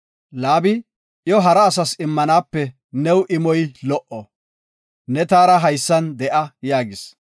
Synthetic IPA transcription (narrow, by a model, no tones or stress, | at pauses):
laːbɪ | jɔɦɐɾɐːsɐsɪmːɐnaːpːɛ | nɛwʔɪmɔjlɔʔɔ | nɛt̪aːɾɐɦɐjsːɐnd̪ɛʔɐjaːɡɪs